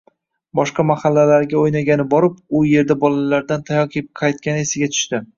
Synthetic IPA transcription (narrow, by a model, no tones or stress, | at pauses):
bɒʃqɑmahalːalaɾɡʲaojnaɡʲanɪbɒɾɪpʊje̞ɾd̪abɒlalaɾd̪ant̪ʰajɒkʲʰep̚qʰɑjt̪̚kʲanɪe̞sɪɡʲat̪ʰʊ̥ʃt̪ɪ